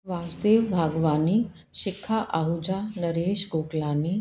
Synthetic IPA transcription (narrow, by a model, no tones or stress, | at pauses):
ʋaːd͡ʒd̪eːʋbʱaːɡʋaːniː | ʃɪkʰːaːʔaɦud͡ʒaːnɐɾeːʃɡoːklaːniː